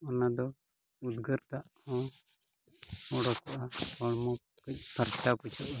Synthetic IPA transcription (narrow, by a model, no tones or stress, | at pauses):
ɔnad̪ɔ | ud̪ɡəɾt̪aʔhɔ̃ | ɔɽɔkɔʔahɔɽmɔp̚kəc̚ˀpʰəɾt͡ʃaput͡ʃɔʔa